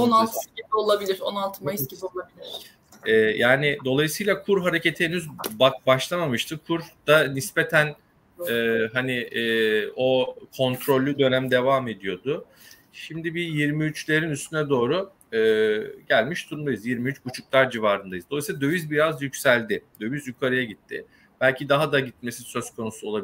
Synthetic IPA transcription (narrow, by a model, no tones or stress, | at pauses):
onalˠt̪ʰcʲit̪o̞lˠabilʲiɾo̰nalˠt̪ʰɯmaisiolˠabilʲiɾ̥ | ɛːjaːnɪd̪o̞lˠajsɯjlˠakʰuɾɦaɾe̞ce̞t̪ʰiːnyzbabaʃlˠamamɯʃt̪ʰɯkʰuɾd̪̥anispe̞t̪ʰæn | ɛɦanɪ | o̞kʰo̞nt̪ʰɾo̞lʲːyd̪ø̞næmd̪e̞vaːme̞d̪ijo̞d̪ʊ | ʃimd̪ibijiɾmiyt͡ʃlʲe̞ɾinyst̪ʰynɛd̪o̞ːɾu | ɯːɟælʲmiʃt̪ʰuɾmd̪ajɯzjiɾmiyt͡ʃbut͡ʃʰuklˠaɾd͡ʒivaːɾɯnd̪ajɯzd̪olˠajsilˠad̪ø̞vyzbiɾazjycsælʲd̪ɪd̪̥ø̞vyzykʰaɾajaɟit̪ʰːɪ | b̥ælʲcʰid̪aɦad̪aɟit̪̚me̞sinsø̞zkʰo̞nusuo̞lˠabi